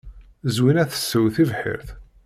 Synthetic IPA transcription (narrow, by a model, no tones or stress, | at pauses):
zwinæθə̥sːəwθivħḭɾθ